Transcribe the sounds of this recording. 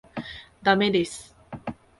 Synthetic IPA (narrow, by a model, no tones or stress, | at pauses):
d̪amed̪es